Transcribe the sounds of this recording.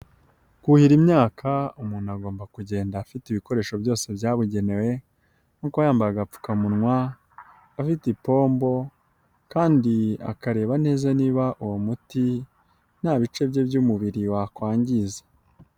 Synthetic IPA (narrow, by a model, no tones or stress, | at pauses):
kuhiɾimɲaːkʰaumuːnuaɡo̞ːmbakuɟe̞ːndaːfitiβiko̞ɾe̞ːʃo̞bjo̞ːse̞bjaːβuɟe̞ne̞we̞ | nukajaːmbaɾaɡap͡fu̥kamunŋwaː | fitipo̞ːmbo̞ | kaːndia̰kaɾe̞ːβane̞ːzaniːβaʔuwomuti | n̥haːβit͡ʃe̞bje̞bjumuβiɾiwakwaːɲɟize̥